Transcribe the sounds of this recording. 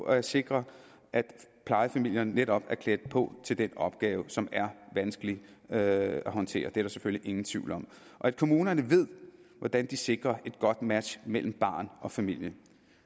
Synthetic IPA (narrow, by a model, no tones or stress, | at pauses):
ɒæɐse̝ɡ̥ʁɐ | ʔæd̥pʰlɑ̈ɪfæmil̰jɐnːeɾ̥ɒ̽b̥æɐkʰled̥əpʰɔ̽t͡sʰe̝ld̥enɒ̽b̥̚ɡ̥ɛːʊəsɒ̽mæɐʋænsɡ̥əli | æɦɒ̽nt͡sʰe̝̰ːɐd̥eɐɾ̥ɑ̈sefølliʔe̝ŋn̩t͡sʰʋ̥iʊ̰lɒ̽m̰ | ʔɒ̽æd̥̚kʰo̝muːnɐnəʋe̝ð̞̰ˠʋɒd̥ænd̥ise̝ɡ̥ʁɐe̝d̥ɡ̥ɒ̽d̥mæd̥ɕmel̰m̩b̥ɑ̰̈ːnʔɒ̽fæmil̰jə